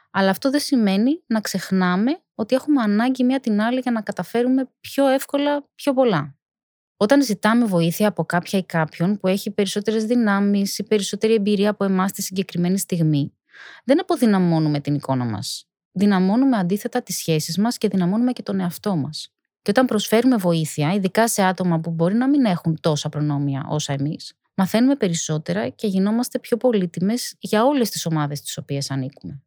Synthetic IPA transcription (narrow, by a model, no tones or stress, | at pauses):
ɐlɐːft̪o̞ðesime̞ninɐkse̞xnɐme̞ | o̞t̪ie̞xume̞ɐnɐɲɟimiɐt̪inɐliʝɐnɐkɐt̪ɐfe̞ɾume̞pço̞e̞fko̞lɐpço̞po̞lɐ | o̞t̪ɐnzit̪ɐme̞vo̞iθiɐːpo̞kɐpçɐikɐpço̞npue̞çipe̞ɾiso̞t̪e̞ɾezðinɐmisipe̞ɾiso̞t̪e̞ɾie̞mbiɾiɐːpoe̞mɐst̪isiɲɟe̞kɾime̞nist̪iɣmi | ðe̞nɐpo̞ðinɐmo̞nume̞t̪iniko̞nɐ̰mɐ̰s | ðinɐmo̞nume̞ɐnd̪iθe̞t̪ɐt̪isçe̞sizmɐsce̞ðinɐmo̞nume̞ce̞t̪o̞ne̞ɐft̪o̞mɐs | ceo̞t̪ɐmpɾo̞sfe̞ɾume̞vo̞iθiɐiðikɐse̞ɐt̪o̞mɐpubo̞ɾinɐmine̞xunt̪o̞sɐpɾo̞no̞miɐ̰ʔo̞̰sɐe̞mis | mɐθe̞nume̞pe̞ɾiso̞t̪e̞ɾɐce̞ʝino̞mɐst̪e̞pço̞po̞lit̪ime̞z̥ʝɐo̞le̞st̪i̥so̞mɐðe̞st̪i̥so̞pie̞sɐnikume̞